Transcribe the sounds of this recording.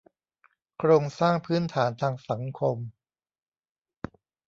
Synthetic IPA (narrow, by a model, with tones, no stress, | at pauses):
kʰɾoː˧ŋsaː˥˩ŋpʰɯː˦˥˩nt̪ʰaː˩˦nt̪ʰaː˧ŋsa˩˦ŋkʰo˧m